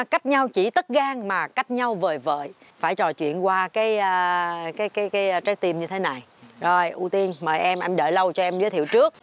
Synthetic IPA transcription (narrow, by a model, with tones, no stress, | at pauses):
ka˦˥jk̟̚ɲa˧wt͡ɕi˧˩t̪ə˦˥t̚ɣaː˧ŋmaː˨˩ka˦˥jk̟̚ɲa˧wvəː˨˩jvə̰ː˧˨jfaː˧˩jt͡ɕɔ˨˩t͡ɕwḭ˧˨ənkwaː˧kaː˨˦jːkaː˨˦jkaː˨˦jkaː˨˦jt͡ɕaː˦˥k̚t̪i˧mɲɨ˧t̪ʰe˨˦na˨˩jzo˨˩jʔu˧t̪i˧ənməː˨˩jʔɛ˧mʔɛ˧mɗə̰ː˧˩lə˧wt͡ɕɔ˧ʔɛ˧mzəː˨˦jt̪ʰḭ˧˨wt͡ɕɨ˦˥ək̚